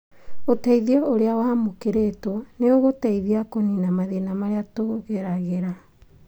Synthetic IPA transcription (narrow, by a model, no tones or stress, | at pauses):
otɛiðiɔoɾeawamokeɾetɔneoɣotɛiðiakoninamaðenamaɾeatoɣeɾaɣeɾa